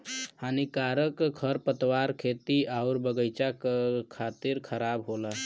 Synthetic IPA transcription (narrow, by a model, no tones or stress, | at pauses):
hanikaɾəkkʰəɾpət̪waɾkʰeːt̪iaʊɾbəɡəɪt͡ʃakkʰaːt̪iɾkʰəɾabɦola